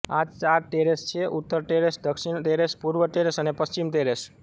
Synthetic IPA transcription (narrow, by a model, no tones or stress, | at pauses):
ad͡ʒt͡ʃaɾʈeɾest͡ʃʰeʔut̪ːəɾʈeɾesd̪əkʃinʈeɾespuɾʋəʈeɾesənepəst͡ʃimʈeɾes